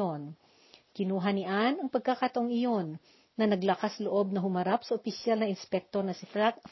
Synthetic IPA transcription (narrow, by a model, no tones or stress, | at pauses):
on | kɪnuːɦɐniʔanɐŋpɐɡ̚kɐkɐt̪ɐʔoŋɪjo̞nː | ɐnɐɡlɐkasloʔo̞b̚nɐɦʊmɐɾap̚sɐʔopɪsjalnɐʔɪnspɛk̚t̪o̞ɾnɐsɪ